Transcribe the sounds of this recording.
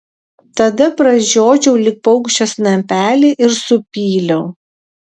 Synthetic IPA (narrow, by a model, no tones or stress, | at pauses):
t̪ɐd̪ɐpɾɐʒʲoːd͡ʒʲɛʊlʲɪk̚pɐʊkʃʲt͡ʃʲoːsnɐmʲpʲæːlʲeːʔɪɾsʊpʲiːlʲɛʊ